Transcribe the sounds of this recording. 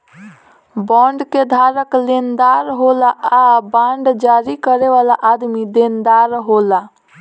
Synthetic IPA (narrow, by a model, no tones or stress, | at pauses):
bɔ̃ɳɖked̪ʱaɾəklend̪aɾɦolaːbãɳɖd͡ʒaɾikəɾeβalaʔad̪mid̪end̪aɾɦola